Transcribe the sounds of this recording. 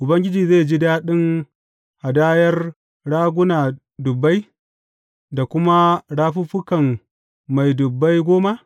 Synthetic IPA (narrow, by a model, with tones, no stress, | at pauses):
ʔʊ˨bɐ˦ŋɡʲɪ˦d͡ʒiː˨ze˦˨d͡ʒi˦daː˦ɗɪ˦ŋ | ha˨daː˦jɐ˦r | ɽaː˦ɡʷʊ˦naː˨ | dʊ˨bːa˦j | da˨kʷʊ˦ma˦ɽaː˦ɸu˦ɸʊ˦kɐ˨m | ma˨jdʊ˨bːa˦jɡʷoː˦ma˦